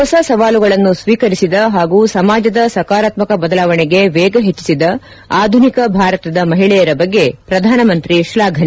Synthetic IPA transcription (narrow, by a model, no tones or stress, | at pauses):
ɔsɐsɐʋaːluɡɐɭɐnːusʋiːkɐɾisid̪ɐɦaːɡuːsɐmaːd͡ʒɐd̪ɐsɐkaːɾaːt̪mɐkɐbɐd̪ɐlaːʋɐɳeɡe̞ʋɛːɡɐɦet͡ʃːi̥sid̪ɐ | aːd̪ʱunikɐbʱaːɾɐt̪ɐd̪ɐmɐɦiɭɛjɐɾɐbɐɡːe̞pɾɐd̪ʱaːnɐmɐnt̪ɾiʃlaːɡʱɐne